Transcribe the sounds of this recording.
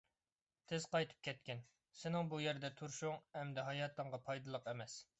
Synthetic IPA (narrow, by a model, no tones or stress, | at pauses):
t̪ʰɪz̥qɑjt̪ʰɨ̥p̚kʲʰɛt̪̚kʲɪn | sɪnɪŋbujɛɾd̪ɛt̪ʰuɾʃuŋhɛmd̪ɛɦɑjɑːt̪ʰəɴʁɑpʰɑjd̪ɨlˠəqemɛs